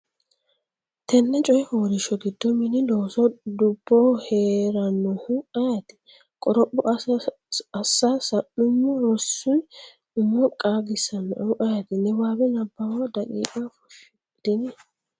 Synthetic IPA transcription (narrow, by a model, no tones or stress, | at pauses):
t̪ɛnːɛt͡ʃʼɔjɪfoːɾɪʃɔɡɪd̪ːɔmɪnɪloːsɔd̪ʊb̥ːɔheːɾɐnːɔhʊɐjɐt̪ɪ̥ | kʼɔɾɔpʼːɔ | ɐsːaːsɐnːʊmːʊɾɔsːʊn | ʊmːɔkʼaːɡɪsɐnːɔ̰hʊʔɐjɐt̪ɪnɛwaːbɛnɐbːawad̪ɐkʼḭːkʼafɔ̥ʃ | d̪̥ɪnɛ